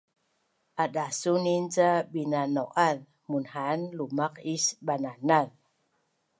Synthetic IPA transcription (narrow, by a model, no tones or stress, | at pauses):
aɗasuninzaɓinanɔʔað | munhanlumakisɓananað